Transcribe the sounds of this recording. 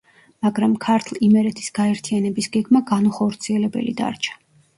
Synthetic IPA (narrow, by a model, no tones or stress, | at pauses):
maɡɾamkʰaɾt̪ʰlˠimɛɾɛt̪ʰi̥sɡ̥aɛɾt̪ʰianɛbisɡɛɡmaɡanuχɔɾt̪sʰiɛlɛbɛ̰lḭd̪a̰ɾt͡ʃʰḁ